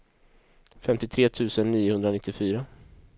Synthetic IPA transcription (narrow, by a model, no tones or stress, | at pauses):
fɛmt̪ɪt̪ʰɾeːt̪ʰʉ̟ːsənːiːʊhɵnd̪ɾanɪt̪ʰːɪfyːɾa